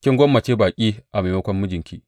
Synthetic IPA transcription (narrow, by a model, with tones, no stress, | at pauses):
kʲɪ˦ŋɡʷɔ˦mːɐ˨t͡ʃeː˦baː˨kʲʼiː˦ʔa˨ma˨mɐ˦kʷɔ˦mːʊ˦d͡ʒɪ˨ŋkʲiː˦